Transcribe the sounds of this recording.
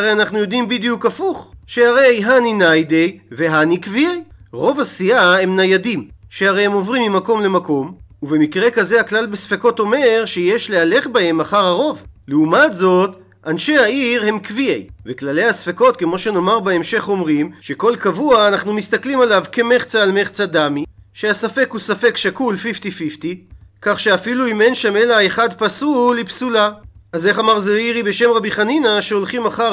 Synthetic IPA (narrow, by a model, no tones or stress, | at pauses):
ʁejanaχnujo̞d̪imbid̪jukafuχʃe̞haʁe̞jɦaninajd̪e̞jve̞ɦanikviejʁo̞vasiahe̞mnajadimʃehaʁejhemo̞vʁimːimako̞mle̞mako̞muve̞mikʁe̞kazeaklalbesfeko̞t̪o̞me̞ʁʃejeʃleale̞χbahe̞maχaʁaʁo̞vleumat̪zo̞t̪ | ʔanʃe̞jhaiʁhe̞mkviejveklale̞jasfeko̞t̪̚ke̞mo̞ʃe̞no̞maʁbeemʃe̞χo̞mʁimʃe̞ko̞lkavuaːnaχnumist̪aklimalavke̞meχt͡saːlmeχt͡sad̪ami | ʃeasafe̞kusafe̞kʃakulfift̪ifift̪ikaχʃeafiluimenʃame̞laeχad̪pasulipsulaaze̞χamaʁzeiʁibe̞ʃe̞mʁabiχaninaʃeo̞lχimaχa